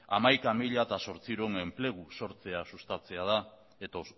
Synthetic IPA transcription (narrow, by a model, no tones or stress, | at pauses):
amajkamiʎat̪aso̞ɾt͡siuɾone̞mple̞ɣuso̞ɾt͡se̞asust̪at͡se̞aða | et̪o